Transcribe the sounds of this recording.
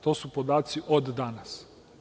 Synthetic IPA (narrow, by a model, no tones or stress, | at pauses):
t̪oːsupod̪aːt̪siʔod̪ːanas